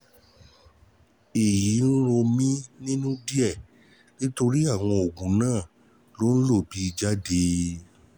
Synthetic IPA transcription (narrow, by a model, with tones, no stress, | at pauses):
e˨ji˨˦n̩˦ɾo˧mĩ˦nĩ˦nũ˦di˦ɛ˦˨ | nĩ˦to˧ɾi˦a˦˨w̃ɔ̃˧o˨ɡũ˨˦nãː˦˨ | lo˨˦n̩˦lo˦˨bi˨˦i˧d͡ʒa˦de˧